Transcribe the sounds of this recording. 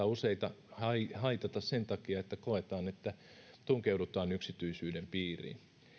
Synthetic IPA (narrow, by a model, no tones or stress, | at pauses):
ɑuseit̪ɑhɑihɑit̪ɑt̪ɑssent̪ɑkiɑet̪ːækoet̪ɑːnet̪ːæ | t̪uŋkeudut̪ɑːnyksit̪yisyːdempiːrḭn